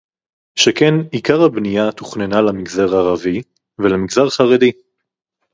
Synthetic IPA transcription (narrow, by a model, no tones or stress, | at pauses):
ʃekenikaʁhabnijat̪u̥χnenalamiɡzaʁaʁavi | velemiɡzaʁχaʁedi